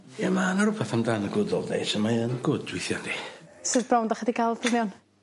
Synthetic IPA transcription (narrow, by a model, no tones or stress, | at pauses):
jamanaɾupʰaθamdanəɡʊdɔlˠdḛjsɔmaənɡʊdwɪθjɔndi | sɨðbrawndaχədikʰalˠbəljɔn